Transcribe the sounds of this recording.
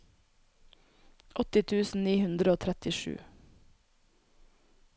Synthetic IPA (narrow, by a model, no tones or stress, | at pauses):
ʔɔt̪ɪt̪ʰʉːsn̩niːhʉnd̪ɾəoːt̪ʰɾɛt̪ɪʃʉ̰ː